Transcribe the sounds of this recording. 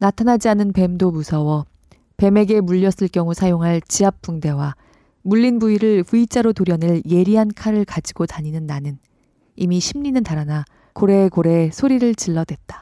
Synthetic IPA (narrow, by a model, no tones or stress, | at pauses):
natʰanad͡ʑianɯnpe̞mdomusʰʌwʌ | pe̞me̞ɡe̞muʎːʌs͈ɯɭkjʌŋusʰajoŋɦaɭt͡ɕiap̚p͈uŋde̞wa | muʎːinbuiɾɯɭɸuit͡ɕ͈aɾotoɾjʌnɯɭje̞ɾiɦankʰaɾɯɭkad͡ʑiɡotaɲinɯnːanɯn | imiɕʰimɲinɯntaɾana | koɾe̞koɾe̞sʰoɾiɾɯɭt͡ɕiɭːʌdwe̞t̚t͈ḁ